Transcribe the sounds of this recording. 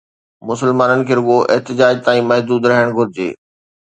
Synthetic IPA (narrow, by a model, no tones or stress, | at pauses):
mʊsɪlmaːnənɪ̆kʰeːɾʊɠoʔɪ̰ɦt̪ɪd͡ʑaːd͡ʑt̪aːĩmɐɦd̪uːd̪ɾɐɦəɽ̃ɡʱʊɾɪd͡ʑḛː